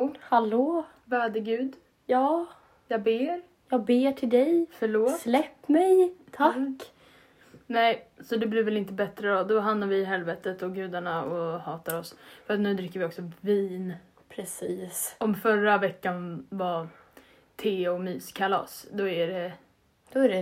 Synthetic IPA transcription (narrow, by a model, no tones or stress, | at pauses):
haloː | væɾɖəɡʉ̟ːd̪ | jɑː | jɑːɡbeːɾ | jɑːɡ̚beːʈʰɪld̪ɛjfœɭoːslɛpːmɛjt̪ʰakː | nɛɪsɔd̪ɛblɪɾvɛlɪnt̪əbɛt̪ɾəɔd̪ɔɦand̪aɾvɪɦɛlvɛːt̪ət̪ɔɡʉ̟ːd̪aɳaɔhɑːt̪aɾɔsfœɾat̪nʉ̟ːd̪ɾɪkːəɾvɪɔksɔviːn | pʰɾɛsiːsɔmfœɾːavɛkːanva | t̪ʰeːɔmyːskʰalɑ̰ːsd̪ɔæɖɛ | d̪̥ɔæɖɛ